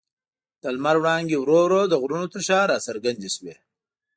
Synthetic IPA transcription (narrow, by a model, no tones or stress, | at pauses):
d̪̥əlmaɾwɽɑːŋɡewɾoɾod̪əɣɾunot̪əʃɑːɾɑsəɾɡand̪eʃwe